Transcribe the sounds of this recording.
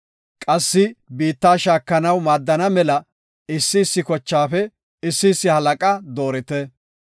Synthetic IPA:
kʼɐsːɪbiːt̪ːaːʃaːkːɐnɐwmaːd̪ːɐnɐmɛlɐ | ɪsːɪːsːɪkɔt͡ʃːaːfɛ | ɪsːɪsːɪhɐlɐkʼɐd̪o̞ːɾɪt̪ɛ

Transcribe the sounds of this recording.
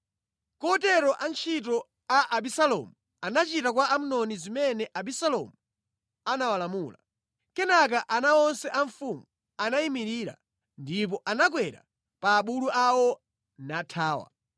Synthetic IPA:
kɔtɛɾɔʔant͡ʃʰit̬ɔ | aʔabisalɔ̰mu | anat͡ʃitak̬waam̩nɔnizimɛnɛʔabisalɔ̰mu | anawalamuːla̰ | kɛnak̬aʔanaɔnsɛʔaɱfumu | anaimiɾiːɾa̰ | ndip̬ɔʔanak̬wɛɾa̰ | paːɓuluʔawɔ | natʰaːwa̰

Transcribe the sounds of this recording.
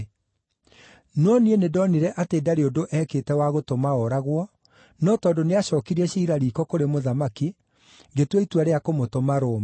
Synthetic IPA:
nɔnienedɔniɾɛʔateːdaɾeodoʔɛkeːtɛwaɣotomaɔɾaɣwɔ | nɔtɔːndoneaɕɔːkiɾiɛɕiːɾaɾiːkɔkoɾemoðamaki | ɡetweitwaɾeakomotomaɾoːm

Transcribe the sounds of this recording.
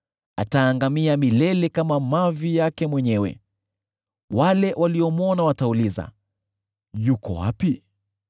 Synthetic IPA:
ataːŋɡamiamilɛlɛkamamavijakɛmwɛɲɛwɛ̰ | walɛwʔaliɔmuɔnawatauliza̰ | jukɔ̰wa̰pi

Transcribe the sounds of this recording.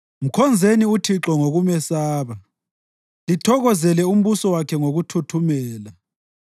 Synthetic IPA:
m̩kʰɔnd͡zʱeniutʰiǁɔŋoɣumɛsaːβa | litʰɔɣɔzɛlɛum̩βusɔwakʰɛŋoɣutʰutʰumɛːla

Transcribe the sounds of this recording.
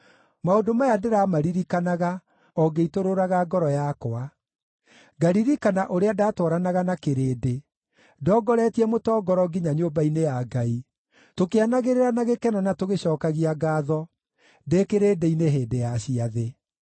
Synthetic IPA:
maodomajadeɾamaɾiɾikanaɣa | ɔɡeitoɾoɾaɣaɡɔɾɔjakoa | ɡaɾiɾikanaʔoɾeadaːtwɔɾanaɣanakeɾeːde | dɔɡɔɾɛtiɛmotɔːɡɔɾɔɡiɲaɲoːbainejaɡai | tokeanaɣeɾeɾanaɣekɛnɔnatoɣeɕɔːkaɣiaɡaːðɔ | dekeɾeːdeineɦeːdejaɕiaðe

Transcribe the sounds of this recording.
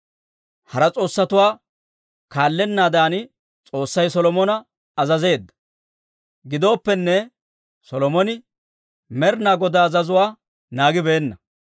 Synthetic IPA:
hɐɾɐt͡sʼo̞ːsːɐt̪ʊwaː | kaːlːɛnːaːd̪aːnɪ | t͡sʼo̞ːsːɐjsɔlɔmɔnɐ | ɐzɐze̞ːd̪ːɐ̥ | ɡɪd̪o̞ːpːɛnːɛ | sɔlɔmɔnɪ | mɛɾnaːɡɔd̪aːzɐzʊwaː | naːɡɪbeːnːɐ

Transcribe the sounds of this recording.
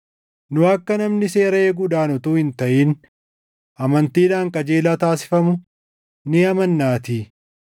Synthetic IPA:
nʊɐkːɐnɐmnɪse̞ːɾɐeːɡʊd̪aːnɔt̪uːhɪnt̪ɐʔiːn | ʔɐmɐnt̪iːd̪aːŋkʼɐd͡ʒe̞ːlaːt̪aːsɪ̥fɐmʊ | nɪɐmɐnːaːt̪i

